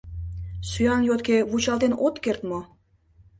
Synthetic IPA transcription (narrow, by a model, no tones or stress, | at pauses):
syɑnjot̪keβut͡ɕɑlt̪enot̪kert̪mo